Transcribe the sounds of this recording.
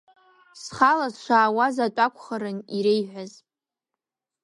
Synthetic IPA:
sχalazʃʷaːwazatʷʼakʷʰʼχaɾɨniɾejħʷazʼ

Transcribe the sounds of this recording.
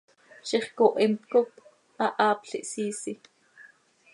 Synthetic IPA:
ʃiχkoʔimt̪kok | ʔɑʔɑːpɬiʔsiːsi

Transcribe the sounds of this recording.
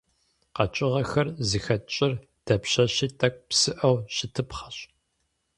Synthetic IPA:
qɐt͡ʃʼɪʁɐxɐrzɨxɐt͡ʃʼɪr | d̥ɐpɕɐɕiːtʰɐk̚ʷpsɨʔɐwɕɪtʰɨpχɐ̥ɕ

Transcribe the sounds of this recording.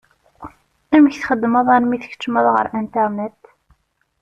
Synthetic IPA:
æməçθχəd̪ːməðˤænmiθə̥ç̥t͡ʃːəməðˤʁə̰ɾʔænt̪ænæt̪

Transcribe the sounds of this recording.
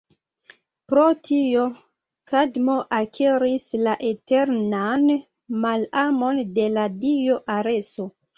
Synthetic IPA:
pɾotʰio̞ | kadmo̞ʔakʰeɾislaʔete̞ɾnan | malamo̞nde̞ladioʔaɾe̞so

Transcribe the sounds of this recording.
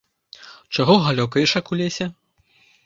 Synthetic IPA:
t͡ʂaɣɔɣalʲɔkɐjʂɐkulʲesʲɛ

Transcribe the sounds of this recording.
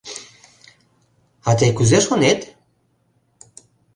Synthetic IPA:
at̪ekuzeʃonet̪

